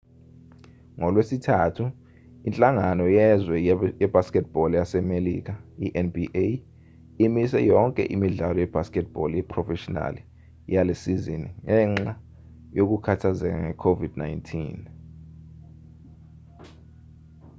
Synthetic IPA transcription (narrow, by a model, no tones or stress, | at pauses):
ŋɔlwesitʰaːtʰu | int͡ɬʼaŋanɔjɛzwɛjɛb̥askɛt̚b̥ɔljasɛmelḭk̬ʰaiʔɛnbiʔe | imisɛjɔŋkʼɛ̰ʔimiɮalɔjɛb̥ʱaskɛt̚b̥ɔljɛpʰrɔfɛʃɔna̰li | jalesiziniŋɛŋ͡ǁa | jok̬ukʰatʰazɛk̬a̰ŋɛkʰovid̥najntʰiːn